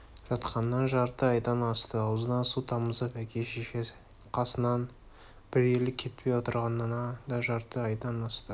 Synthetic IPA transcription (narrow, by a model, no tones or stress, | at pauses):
ʒ̥ɑt̪qʰɑnːɑnʒɑɾt̪əɑjd̪ɑnɑst̪əɑwəzənɑsut̪ʰɑməzəpækʲʰeʃeʃe | qʰɑsənɑn | b̥ɪɾe̞lɪkʲʰːe̞t̪̚pʰe̞jwot̪əɾʁɑnːɑnɑd̪ɑʒɑɾt̪əɑjd̪ɑnɑst̪ə